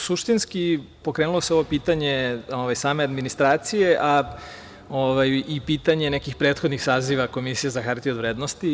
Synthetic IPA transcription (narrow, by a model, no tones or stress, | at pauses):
suʃt̪inskipo̞kɾeːnulˠo̞seo̞ʋo̞piːt̪aɲe̞oʋajsaːme̞ad̪minist̪ɾaːt̪sije̞ʔa | oʋajipiːt̪aɲe̞nekixpɾe̞ːt̪xod̪nixsaːziʋako̞misijezaxaɾt̪iod̪ʋɾeːd̪nost̪i